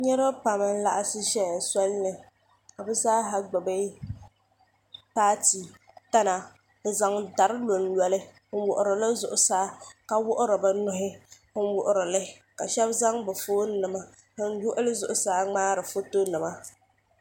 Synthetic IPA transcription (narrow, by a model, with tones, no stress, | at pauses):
ɲɛ˦ɾa˦pa˨mɨ˨n̩˦la˨ʔa˨sɨ˦ʃɛ˦˨sɔ˦lnɨ˨ | ka˨bɨ˦zaː˦ɦa˦ɡ͡bɨ˨be˦ | paː˦ti˨ | ta˦na˨ | bɨ˨za˨ŋda˨ɾɨ˦lo˨nlɔ˨lɪ˦ | n̩˦wʊ̰˨ʔʊ˨ɾɨ˨lɨ˦zʊ˨ʔʊ˨saː˦ka˨wʊ˦ʔʊ˦ɾɨ˨bɨ˦nʊ˦ɦɪ˦hɨ˦n˦wʊ˨ʔʊ˦ɾɨ˨lɪ˦ | ka˨ʃɛ˦bza˦ŋbɨ˨foː˦nɨ˨ma˦ | hɨ˦n˦jʊ˦ʔʊ˦lɨ˦zʊ˨ʔʊ˦saː˨˦ŋ͡maː˦ɾɨ˨fo˦to˦nɨ˨ma˦